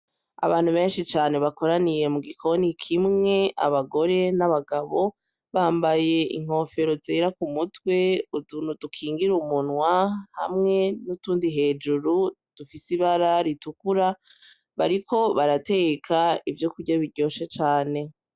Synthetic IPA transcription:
a̰βaːn̥huβe̞ːnʃit͡ʃaːne̞βako̞ɾanije̞muɡikʰo̞nikʰimŋe̞ʔa̰βaɡo̞ɾe̞naβaɡaβo̞ | βaːmbaje̞ʔḭŋ̥ho̞ːfe̞ɾo̞zeːɾakumutwe̞udunudukʰiːŋɡiɾumunŋwahamŋe̞nutuːndiɦe̞ːd͡ʒuɾu | d̥ufisiβaɾaɾitukuɾa | βaɾikʰo̞βaɾate̞ɡekʰaivjo̞kuɟaβiɾɟo̞ːʃet͡ʃaːne̞

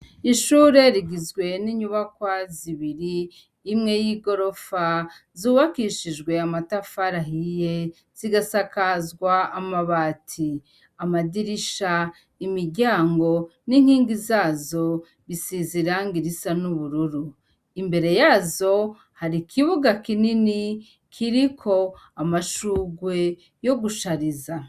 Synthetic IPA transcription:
iʃuːɾe̞ɾiɡizɡwe̞niɲuβakwaziβiɾiː | mŋe̞jiɡo̞ɾo̞fazuːβakiʃid͡ʒɡwe̞amatafaɾaɦije̞ | z̥iɡasakazɡwaːmaβaːtʰi | amadiɾiʃa | imiɾɟaːŋɡo̞niŋ̥hiːŋɡizaːzo̞ | βisiziɾaːŋɡiɾisanuβuɾuɾu | imbe̞ɾe̞jaːzo̞ | haɾikʰiβuɡakinini | kʰiɾikʰo̞ | amaʃuːɡwe̞ | jo̞ɡuʃaɾiza

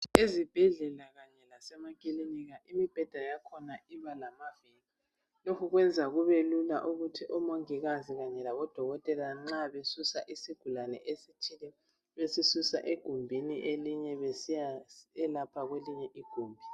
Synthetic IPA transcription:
ezib̥ʱɛɮɛlaɣaɲɛlasɛmakʼiliniɣaʔimib̥ʱɛd̥ʱajakʰɔnaiβalamaveli | lokʰuɣwɛnd͡zʱaɣuβelula̰ʔuɣutʰiʔɔmoŋiɣaziɣaɲɛlaβɔd̥ʱɔɣɔtʼɛlaŋ͡ǁaβesusaʔisiɡ̥ʱulanɛ̰ʔesitʰilɛ | βesisusa̰ʔeɡ̥ʱumbʱiniʔeliɲɛβesijaɛlapʰaɣweliɲɛʔiɡ̥ʱuːmbʱi

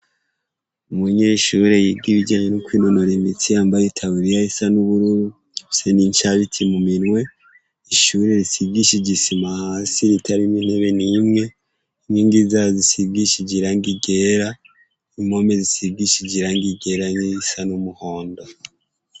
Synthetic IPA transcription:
umuɲeʃuɾe̞jiɡiβid͡ʒaːɲenukwiːnonoɾimit͡sijaːmbajitʰaβuɾijaisanuβuɾuɾu | seniɲt͡ʃaβitʰimuminwe̞ | iʃuɾe̞ɾisiɡiʃiɟisimahaːsiɾitʰaɾimin̥eβenimŋe̞ | ɲiːŋɡizazisiɡiʃiɟiɾaŋɡiɡeɾa | imo̞mezisiɡiʃiɟiɾaŋɡiɡe̞ɾaɲiisanumuho̞ːndo

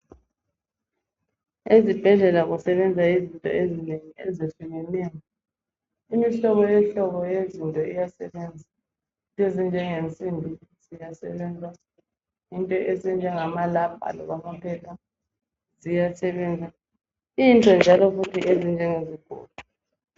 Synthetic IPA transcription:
ezib̥ʱɛɮɛlaɣusɛβɛnd͡zʱaizintʼɔ̰ezineŋiɛ̰zefuɣɛnɛŋɔ | imiɬɔβɔjɛɬɔɣɔjezintʼɔijasɛβɛnd͡zʱa | intʼezind͡ʒʱɛŋent͡sʼinbʱiz̥ijasɛβɛnd͡zʱa | intʼɔʔezind͡ʒʱɛŋamalabʱa̰lɔ̰ɣamapʰɛlʰa | zijasɛβɛnd͡zʱa | intʼɔnd͡ʒʱalɔfutʰiʔezind͡ʒʱɛŋeziɡ̥ʱo̰ːlu

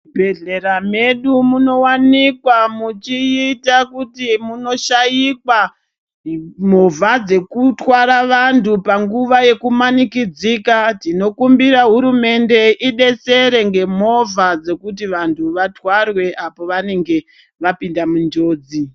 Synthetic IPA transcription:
bʱe̞ɮe̞ɾame̞ɗumuno̞wanikwamut͡ʃiitakutimuno̞ʃajikwa | mo̞vʱad͡ze̞kutwaɾaʋantʰupaŋɡuʋaje̞kumanikid͡zikatino̞kumbiɾaɦuɾume̞nde̞ʔiɗe̞se̞ɾe̞ŋɡe̞mo̞vad͡ze̞kut̬iʋantʰuʋatwarwe̞ʔapo̞ʋane̞ŋɡe̞ | ʋapindamund͡ʒo̞ːd͡zi

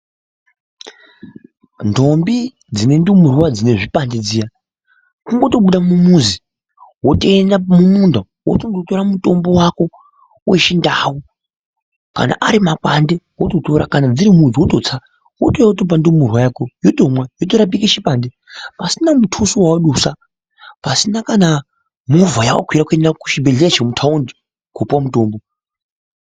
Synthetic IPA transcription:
ndo̞mbi | d͡zine̞ndumurwad͡zine̞ʐipanded͡zija | kuŋɡo̞to̞ɓuɗamumuzi | woteːndamumunda | wo̰toŋɡoto̞ɾamuto̞mbo̞wako̞ | weʃindawu | ka̰na̰ʔaɾimakande̞wototoɾa̰kanad͡ziɾimund͡ziwotot͡sa | wotojawotop̬andemurwajakojotomwajotoɾap̬ikiʃipande | pasinamutʰusuwawoɗusa | pasinakana | muvajawa̰kʰwiɾakuendaku̥ʃibeɮeaʃemutʰaundi | kopwamutoːmbo

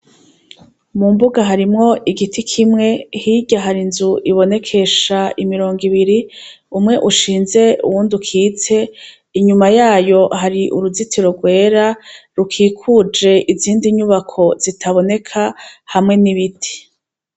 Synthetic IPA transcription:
mumbuɡaɦaɾimŋo̞ʔiɡitʰikʰimŋe̞hiɟaɦaɾinzuʔiβo̞ne̞kʰe̞ʃaimiɾo̞ːŋɡiβiɾi | umŋe̞ʔuʃiːnze̞ṵwuːndukʰiːt͡se̞ | iɲumajaːjo̞ɦaɾiʔṵɾuzitʰiɾo̞ɡwe̞ːɾaɾukʰiːkʰud͡ʒe̞ʔiziːndiɲuβakʰo̞z̥itʰaβo̞ne̞kʰahamŋe̞niβitʰi̥

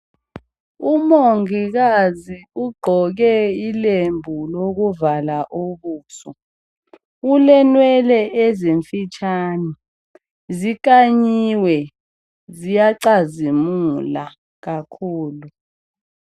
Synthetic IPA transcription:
umoŋik̬aziuɡ͡ǃʱɔk̬ɛilembʱulok̬uvalaʔoɓuːsɔ | ulɛnwɛlɛʔeziɱfit͡ʃʰani | zik̬aɲiwɛ | zijaǀazimula | k̬akʰuːlu

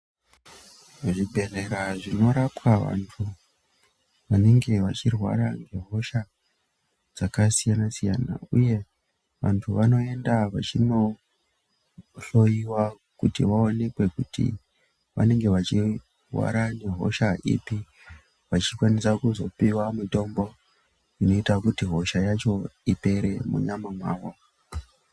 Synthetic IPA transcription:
ʐibʱe̞re̞ɾaʐino̞ɾapwaʋa̰ntʰu | ʋane̞ŋɡe̞ʋat͡ʃirwa̰ɾaŋɡe̞ɦo̞ʃa | d͡zakasijanasijana̰uje̞ | ʋantʰuʋano̞e̞ndaʋat͡ʃino̞ | ɬo̞jiwa | kutḭʋaone̞kwe̞kutḭ | ʋa̰ne̞ŋɡe̞ʋat͡ʃi | wa̰ɾane̞ɦo̞̰ʃaʔḭpi | ʋat͡ʃikwanisakuzo̞piwamuto̞mbo̞ | ino̞itakutiɦo̞ʃajat͡ʃo̞ipe̞ɾe̞mṵɲamamwaːwo

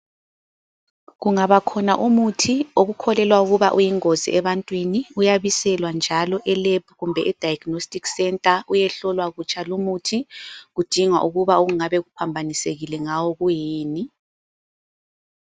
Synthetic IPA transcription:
ɣuŋaβakʰɔnaʔumutʰioɣukʰɔlɛlwauɣuβaʔujiŋozḭʔɛβantʼwiniujaβisɛlwand͡ʒʱalɔʔɛlebʱɣumbʱɛʔɛd̥ʱajɡnostʼiksɛntʼaujɛɬɔlwaɣut͡ʃʼʰalumutʰiɣud̥ʱiŋwa̰ʔuɣuβaoɣuŋaβɛɣupʰambʱaniseɣilɛŋawɔɣujiːni

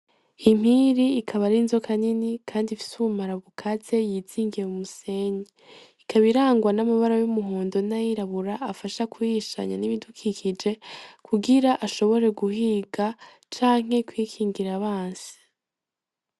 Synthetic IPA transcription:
im̥hiɾiːkʰaβaɾinzo̞kʰaninikʰaːndifi̥suumaɾaβukʰat͡se̞jiːz̥iːŋɡieumuse̞ɲe | ikʰaβiɾaːŋɡwanamaβaɾajumuɦoːndo̞najiɾaβuɾaːfaʃakujiʃa̰ɲa̰niβidukʰikid͡ʒe̞kuɡiɾaʔaʃo̞βo̞ɾe̞ɡuhiɡa | t͡ʃaːŋ̥he̞kwiːkʰiːŋɡiɾaβaːnsi̥

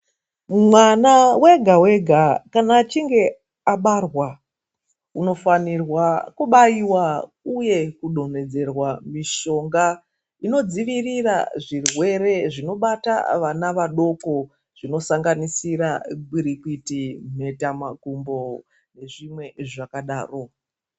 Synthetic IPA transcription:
mwanawe̞ɡʱawe̞ɡʱakanaːt͡ʃiŋɡe̞ | aɓarwa | uno̞fanirwakuɓaiwa | uje̞kuɗo̞n̤e̞d͡ze̞rwamiʃo̞ŋɡa | ino̞d͡ziʋirira̰ʐirwe̞ɾe̞ʐino̞ɓata̰ʋanaʋaɗo̞ko̞ | ʐ̥ino̞saŋɡanisiɾaɡiɾikitim̤e̞tamakumbo̞ | ne̞ʐimwe̞ʐakaɗaːro̞

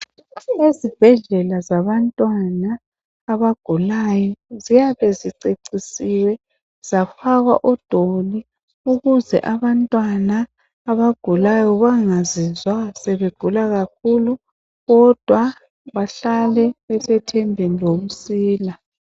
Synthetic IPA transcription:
ezib̥ʱɛɮɛlazaβantʼwanaː | βaɡ̥ʱulajɔzijaβɛziǀeǀisiwɛ | z̥afaɣwa̰ʔɔd̥ʱoli | uɣuzɛ̰ʔaβantʼwanaː | βaɡ̥ʱulajɔβaŋazizwasɛβeɡ̥ʱulaɣak̚ʰulu | ɣɔd̥ʱwa | βaɬalɛβɛsɛtʰɛmbʱinlom̩siːla

